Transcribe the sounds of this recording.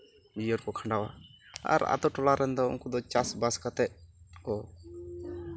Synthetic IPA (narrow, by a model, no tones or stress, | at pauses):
d͡ʒijɔɾkɔkʰãɳɖawa̰a̰ɾa̰t̪ɔʈɔlaɾɛnd̪ɔṵŋkɔd̪ɔt͡ʃasbaskat̪ɛʔkɔ